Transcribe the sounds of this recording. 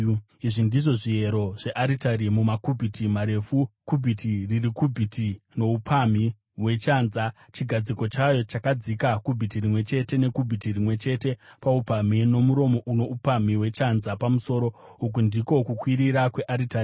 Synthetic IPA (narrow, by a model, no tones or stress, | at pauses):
iʐindiʐo̞ʐie̞ɾo̞ʐ̥e̞ʔaɾitaɾimumakubʱitʰimaɾe̞fukubʱitʰiririkubʱitʰino̞upʰami | we̞t͡ʃanza | t͡ʃiɡʱad͡ziko̞t͡ʃajo̞t͡ʃakad͡zikakubʱitirimwe̞t͡ʃe̞te̞ne̞kubʱitirimwe̞t͡ʃe̞te̞paupamino̞muɾo̞mo̞ʔuno̞ʔupamiwe̞t͡ʃanzapamuso̞ːɾo̞ | uk̬undiko̞kukwiɾiɾakwe̞ʔaɾitari